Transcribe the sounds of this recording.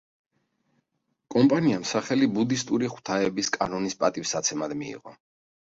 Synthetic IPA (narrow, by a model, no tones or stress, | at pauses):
kʼɔmpʼaniamsaχɛlibud̪ist̪ʼuɾiχw̥t̪ʰaɛbiskʼanɔnispʼat̪ʼifsat̪sʰɛmad̪mḭḭʁɔ